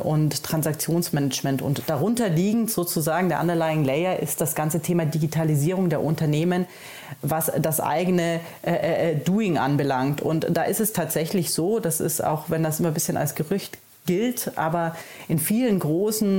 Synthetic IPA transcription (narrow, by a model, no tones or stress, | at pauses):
ʔʊnttːʁ̥ansakt͡sjoːnsmɛnɛt͡ʃmɛntʊ̰ntd̥aʁʊntɐliːɡŋ̩tz̥oːt͡suzaːɡŋ̩deːɐʔa̰ndɐlaɪŋlɛɪɐʔɪ̰st̚d̥asɡ̥ant͡sətʰeːmadiɡitʰaliziːʁ̞ʊŋdeːɐʔʊntɐneːmən | vasd̥asʔa̰ɪɡənə | ʔʔduːɪŋʔa̰nbəlaŋktʰʊ̰ntd̥aːʔɪstɛstʰaːtz̥ɛçlɪçz̥oːdasɪ̰sta̰ʊxvɛndasʔɪmɐbɪsçəna̰lsɡ̥əʁʏçt | ɡ̥ɪltʔa̰ːbɐʔɪnfiːlənɡʁoːsn̩